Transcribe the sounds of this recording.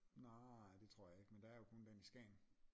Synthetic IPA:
nɑd̥e̝t͡sʰʁo̝ɐ̰jɑ̈e̝ɡ̥mend̥ɑ̈æɐjo̝kʰɔ̽nd̥enisɡ̥ɛ̰ːn

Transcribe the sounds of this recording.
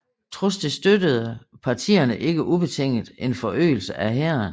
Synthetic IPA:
t͡sʰʁosd̥isd̥ød̥əð̞̩ˠpʰɑ̈t͡sʰḭːɐnəʔe̝ɡ̥əʔub̥e̝t͡sʰeŋ̰d̥e̝nfɒ̽ʔø̰ːɪl̩səʔæɦeɐn

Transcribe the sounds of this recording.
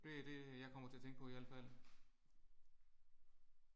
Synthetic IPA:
d̥e̝æd̥e̝jɑ̈ɪkʰɒ̽m̰ɐt͡sʰe̝ɐt͡sʰeŋɡ̥əpʰɒ̽iæləfæl̰

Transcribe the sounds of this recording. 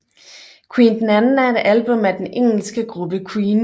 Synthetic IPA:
kʰwiːnd̥enænn̩æɐed̥ælb̥ɔ̽mæd̥eneŋ̰l̩sɡ̥əɡ̥ʁub̥əkʰwiːn

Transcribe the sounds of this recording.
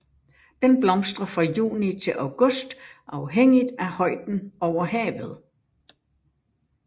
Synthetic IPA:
d̥enb̥lɒ̽msd̥ʁɐfʁɑ̈jṵːnit͡sʰe̝lʔɑʊɡ̥ɔ̽sd̥ʔɑ̈ʊɦeŋ̰id̥æhɒ̽ɪ̰d̥n̩ɒʊ̰ɐɦɛ̰ːʋð̞̩ˠ

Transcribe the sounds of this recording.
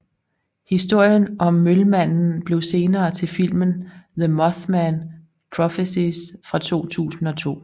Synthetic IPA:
hisd̥o̝ɐ̰jənʔɒ̽mːølmæn̰n̩b̥le̝ʊse̝ːnɐːt͡sʰe̝lfil̰mənðəmɒθmæn | pʰʁɒfesisfʁɑ̈t͡sʰo̝̰ːt͡sʰṵːsn̩ɒ̽t͡sʰo̝̰ː

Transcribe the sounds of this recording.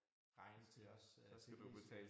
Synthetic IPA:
ʁɑ̈ɪnət͡sʰe̝ɒ̽st͡sʰedḭbʰɛ̰

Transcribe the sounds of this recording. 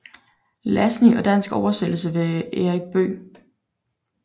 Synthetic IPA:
læsniɒ̽d̥æn̰sɡ̥ɒʊɐsel̰l̩səʋe̝eʁiɡ̥̚b̥ø̰ː

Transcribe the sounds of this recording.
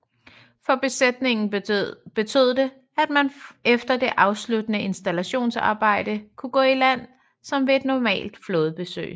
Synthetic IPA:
fɒ̽b̥e̝sed̥ne̝ŋn̩b̥e̝t͡sʰøð̞̰ˠd̥e̝ | æd̥mænefd̥ɐd̥e̝ʔɑ̈ʊslud̥ənəʔe̝nsd̥ælæɕo̝̰ːnsɑ̰̈ːb̥ɑ̈ɪ̰d̥əkʰuɡ̥ɔ̰̽ːilæn̰ | sɒ̽mʋe̝ed̥nɒmɛ̰ːld̥flɔ̽ːð̞ˠb̥e̝sø̰ːɪ

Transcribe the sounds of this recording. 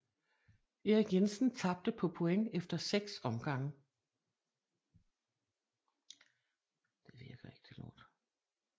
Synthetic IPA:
e̝ʁiɡ̥jensn̩t͡sʰɑ̈b̥̚d̥əpʰɒ̽pʰo̝eŋefd̥ɐseɡ̥sɒ̽mɡ̥ɑ̈ŋ̰ə | d̥eʋiɐɡ̥ɐe̝ɡ̥t͡sʰe̝lnɒ̰ːd̥

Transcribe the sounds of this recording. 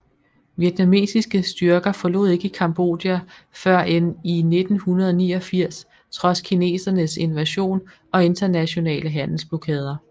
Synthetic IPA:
ʋjed̥ʰnæme̝̰ːsisɡ̥əsd̥ɶɐɡ̥ɐfɒ̽lo̝̰ðˠe̝ɡ̥əikʰɑ̈mb̥o̝̰ːd̥jæfɶɐ̰enine̝d̥n̩hunɐðˠɒ̽niːɒ̽fiɐ̰s | t͡sʰʁɒ̽skʰine̝̰ːsɐnəse̝nʋæɕo̝̰ːn | ɒ̽e̝nd̥ɐnæɕo̝nɛ̰ːləɦæn̰l̩sb̥lo̝kʰɛːð̞ˠɐ

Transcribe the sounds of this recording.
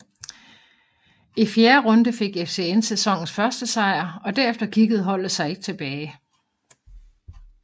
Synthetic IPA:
ifjeːɐʁɔ̽nd̥əfe̝ɡ̥efse̝ensesɒ̽ŋ̰n̩sfɶɐsd̥əsɑ̈ɪ̰ɐɒ̽d̥æɐefd̥ɐkʰiɡ̥əð̞̩ˠɦɒ̽l̰d̥əsɑ̈ɪe̝ɡ̥ət͡sʰe̝b̥ɛːɪ

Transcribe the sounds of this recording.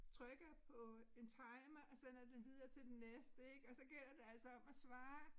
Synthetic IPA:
t͡sʰʁœɡ̥ɐpʰɒ̽e̝nt͡sʰɑ̈ɪmɐʔɒ̽sen̰ɐd̥emʋiðˠɐːt͡sʰe̝ld̥enːesd̥əeɡ̥ɒ̽sɒ̽ɡ̥el̰ɐd̥e̝æl̰sɒ̽ɒ̽m̰æsʋɑ̈ː

